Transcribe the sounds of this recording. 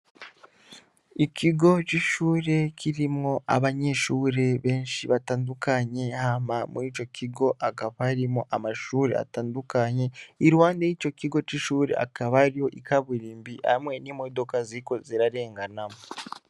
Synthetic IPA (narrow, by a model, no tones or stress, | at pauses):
icʰiɡo̞t͡ʃiʃuːɾe̞cʰiɾimŋo̞ʔa̰βaɲe̞ʃuːɾe̞βe̞ːnʃiβataːndukaɲe̞hamamṵit͡ʃo̞kʰiɡo̞ʔakaβaaɾimoʔamaʃuːɾe̞̰a̰taːndukaɲe̞iɾuwaːndejico̞ciɡo̞t͡ʃiʃuːɾe̞̰a̰kaβaɾijo̞ʔikʰaβuɾiːmbia̰mwe̞nimo̞do̞kaziko̞ziɾaɾe̞ːŋɡanamo